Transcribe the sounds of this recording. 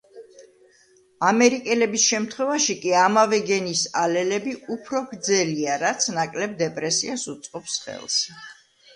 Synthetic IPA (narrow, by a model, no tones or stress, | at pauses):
amɛɾikʼɛlɛbisʃɛmt̪ʰχwɛvaʃikʼiamavɛɡɛnisalɛlɛbiʔupʰɾɔɡɾd̪zɛliaɾat̪sʰnakʼlɛb̚d̪ɛpʼɾɛsiasut̪sʼqʼɔpsχɛ̰lˠs